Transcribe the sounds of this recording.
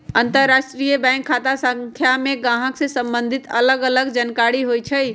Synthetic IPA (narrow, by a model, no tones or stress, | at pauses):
ənt̪əɾːasʈɾijəbɛ̃ŋkʰːat̪asə̃ŋkʰjameɡãɦəksẽsə̃mbənd̪ʱit̪ələɡələɡd͡ʒənkaɽiɦojt͡ʃʰəj